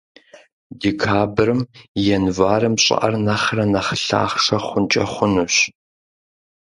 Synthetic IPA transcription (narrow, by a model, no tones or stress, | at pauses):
dikʰaːbɨrɨmjɛnvaːɾɨmɕʼɪ̰ʔɐ̰rnɐχrɐnɐχɬa̰ːχʂɐχʷʊnt͡ʃʼɐχʷʊnuɕ